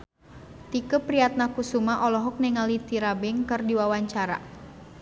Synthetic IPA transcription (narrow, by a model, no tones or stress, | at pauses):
t̪ikəpɾiat̪̚nakusumaʔɔlɔɦɔk̚nɛŋalit̪iɾabɛŋkɨrdiwawaɲt͡ʃaɾa̰